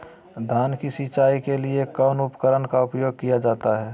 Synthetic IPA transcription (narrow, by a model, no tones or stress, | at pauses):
d̪ʱaːnkisit͡ʃaːikeliekɔʊnʊpə̥kəɾənkaʊpjoːɡ̚kijad͡ʒaːt̪aɦɛː